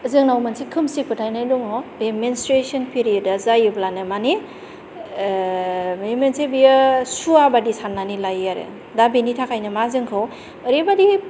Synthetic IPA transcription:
əzɯŋnawmansikʰɯmsik̚pʰɯtʰajnajduŋɔbemenstɾesɔnpʰiɾijədazajɯblanɯmane | memensebijɯsuabadisanːanilajaɾḛ | dabenitʰakʰajnɯmazɯŋkʰɯw | əɾebadi

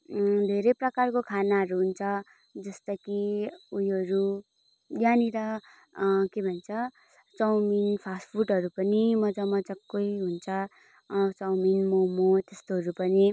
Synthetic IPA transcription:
d̪ʱeɾʌjprʌkarkokʰanaɦʌɾuɦunt͡sʰʌ | d͡zʌst̪ʌkiujɦʌɾu | janiɾʌ | kebʱʌnt͡sʰʌ | t͡sʌwminpʰaspʰuʈɦʌɾupʌnimʌd͡zʌmʌd͡zʌkːojɦunt͡sʰʌ | t͡sʌwminmomot̪est̪oɦʌɾupʌni

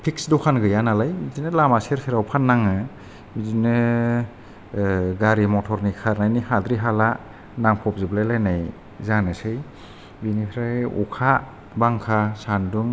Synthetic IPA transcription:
pʰiksdɔkʰanɡɯjanalajmizinɯlamaseɾsʰeɾawpʰanːaŋɯ | mizinɯ | ɡaɾimɔtʰɔɾnikʰaɾnajnihadɾiɦala | naŋpʰɔp̚zɯblajlajnaj | zanɯsɯj | binipʰɾajṵkʰa | baŋkʰasanduŋ

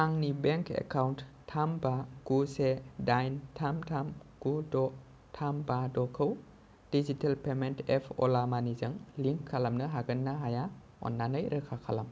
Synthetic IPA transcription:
aŋnibeŋkḛkawnttʰːambaɡ̥usedajntʰamtʰamɡ̥udɔ | tʰambadɔkʰɯw | d̥izitelpementepʰɔ̰lamanizɯŋliŋkʰːalamnɯɦaɡɯnːaɦaja | ɔ̰nːanəjɾɯkʰakʰalam

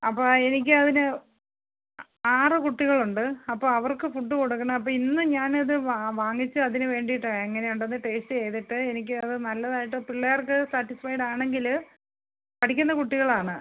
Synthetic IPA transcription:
ɐpːoːenik̬ʲːɨɐðinɨ | aːrɨkuʈːiɣɐɭuɳɖɨɐpːoːɐʋɐrkɨfuʈːukoɽukːɐnɐɐp̬ːoːinːɨɲaːnɐðɨʋaʋaːŋːit͡ɕːɨɐðinɨʋe̞ːɳɖijʈːɐeŋːɐne̞juɳɖenːɨʈe̞ːstɨe̞jt̪iʈːɨe̞nik̬ʲːɨɐðɨnɐlːɐðaːjiʈ̬ːɨpiɭːɐjɐrkɨsaːʈːisfɐjɖaːɳe̞ŋɡil | pɐʈʰikʲːunːɐkuʈːiɣɐɭaːɳɨ

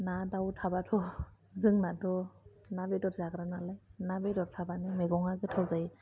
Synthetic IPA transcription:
nadawtʰabatʰɔ | zɯŋnatʰɔ | nabedɔtzakɾanalajnabedɔɾ̚tʰabanimeɡɔŋaɡɯtʰawzaj

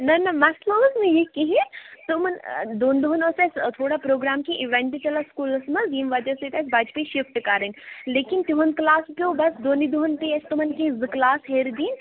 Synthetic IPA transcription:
nɐnɐmɐslɐbsnejekiɦĩt̪ʊmnd̪oːnd̪oɦnõːsest̪ʰoːɽapɾoːɡɾaːmkiʔiʋẽɳʈit͡ʃɐlaskuːlɐsmɐziːmʋad͡ʒ̪ɐset̪esbaːd͡ʒpeʃifʈkaːɾənleːkɪnt̪uɦɐnklaːspobɐsd̪oːnid̪uɦənpiɐst̪umənkizklaːsɦeːɾd̪iːn

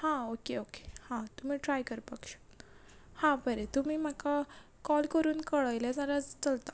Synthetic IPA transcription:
hãokeoke̥hãt̪um̤iːʈɾajkəɾpakɕə̥ | hãbəɾet̪um̤iːm̤aka | kɔlkəɾuːnkəɭajljad͡zaɾad͡zt͡səlt̪a

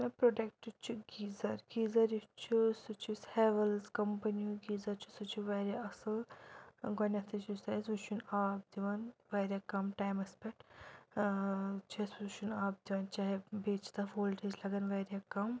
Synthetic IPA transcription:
mɐpɾoɖek̚ʈit͡ʃʰiɡiːzɐɾɡiːzɐɾjit͡ʃʰusut͡ʃʰisheʋɐlzkɐmpɐniũɡiːzɐɾt͡ʃʰu̥sut͡ʃʰiʋɐːɾʲjaɐsɐl | ɡɐnʲɐt̪ʰit͡ʃʰusɐsut͡ʃʰunaːp̚d̪iʋɐnʋɐːɾjakɐmʈaːjmɐkspek̚ʈ | t͡ʃʰisut͡ʃʰunaːp̚d̪iʋɐnt͡ʃaːɦibeːt͡ʃt̪ɐfoːlʈʰizlɐɡɐnʋɐːɾʲjakɐm

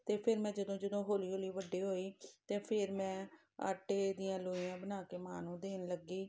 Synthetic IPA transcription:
t̪eːpʰɪɾmɛ̃ːd͡ʒəd̪õːd͡ʒəd̪õːɦoːliːɦoːliːʋəɖːiːɦoːiːt̪eːpʰɪɾmɛ̃ː | a̰ːʈeːd̪ɪjãːloːiãːbənaːkeːmaːnũːd̪eːnləɡiː

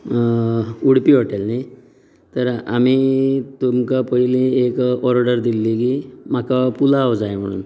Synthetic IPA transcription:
uɽpiɦoʈelnaj | t̪əɾamit̪umkapəɦilẽekɔɾɖəɾd̪ilːik̬imakapulawd͡zajm̤ə̰ɽ̃ṵːn

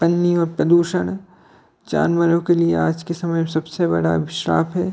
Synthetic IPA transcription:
pɐnːiɔːɾpɾɐd̪uːʃəɽ̃ | t͡ʃa̰ːnməɾõkeliḛaːd͡ʒkesɐməjsɐbsebɐ̰ɽa̰ʋɪʃɾa̰ːpʰɦɛː

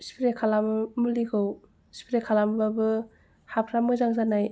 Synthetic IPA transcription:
spʰiɾekʰalammulikʰɯw | spʰiɾekʰalambabɯ | hapʰɾamɯzaŋzanaj

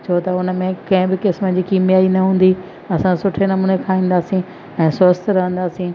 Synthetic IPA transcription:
t͡ɕʰot̪ɐʊnə̆mẽkɐ̃ɦɪ̃bɪkɪsməd͡ʑiːkiːmjaːinɐɦũːn̆d̪i | ɐsãsʊʈʰenɐmuːnekʰãĩːn̆d̪aːsĩ | ɛ̃ːsʊəst̪ʰɾɐɦə̃nd̪aːsĩ

